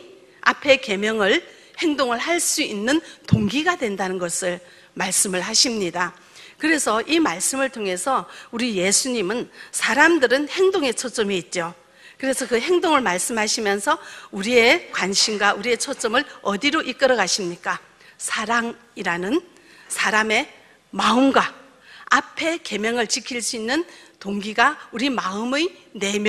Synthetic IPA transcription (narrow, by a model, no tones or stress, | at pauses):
a̰pʰe̞ke̞mjʌŋɯɭ | he̞ŋdoŋɯɭɦaɭs͈uinːɯntoŋɡiɡadwe̞ndanɯnɡʌsʰɯɭ | maɭs͈ɯmɯɭɦaɕʰimɲida | kɯɾe̞sʰʌʔimaɭs͈ɯmɯɭtʰoŋɦe̞sʰʌuɾije̞sʰuɲimɯnsʰaɾamdɯɾɯnhe̞ŋdoŋe̞t͡ɕʰot͡ɕ͈ʌmiːt̚t͡ɕ͈o | kɯɾe̞sʰʌkɯɦe̞ŋdoŋɯɭmaɭs͈ɯmɦaɕʰimjʌnsʰʌuɾie̞kwanɕʰimɡwaʔuɾie̞t͡ɕʰot͡ɕ͈ʌmɯɭʌdiɾoʔik͈ʌɾʌɡaɕʰimɲik͈a | sʰaɾaŋ | iɾanɯn | sʰaɾame̞ | maɯmɡwa | apʰe̞ke̞mjʌŋɯɭt͡ɕikʰiɭs͈uinːɯntoŋɡiɡauɾimaɯmejne̞mj